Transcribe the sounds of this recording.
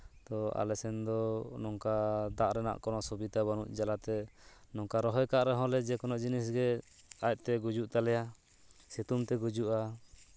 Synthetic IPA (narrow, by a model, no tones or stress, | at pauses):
t̪ɔa̰lɛsɛnd̪ɔnɔŋkad̪aʔɾɛna̰ʔkɔnɔsɔbit̪abanṵʔd͡ʒalat̪ɛnɔŋkaɾɔɦɔjkaʔɾɛɦɔ̃lɛd͡ʒɛkɔnɔʔd͡ʒinis̬ɡɛ | ac̚ˀt̪ɛɡud͡ʒuʔt̪alɛja | sɛt̪umt̪ɛɡud͡ʒuʔa